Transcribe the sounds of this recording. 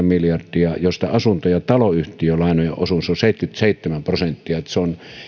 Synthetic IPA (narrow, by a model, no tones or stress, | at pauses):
miljɑrd̥iɑjost̪ɑ̰ɑsunt̪ojɑt̪ɑloyht̪ijølɑˑenojeʔʔosunsoseˑit̪kyt̪seˑit̪ːæmæmprosent̪ːiɑt̪seon